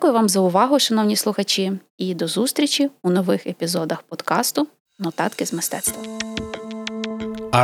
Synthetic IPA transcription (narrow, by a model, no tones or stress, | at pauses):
kʊjʊʋɑmzɐʊʋɑɦʊʃɐnɔwnʲislˠʊxɐt͡ʃʲi | id̪ɔzust̪ɾʲit͡ʃʲiunɔʋɪxepʲizɔd̪ɐxpɔd̪kɑst̪ʊ | nɔt̪ɑ̰t̪kɪzmɪst̪ɛt̪st̪ʋɐ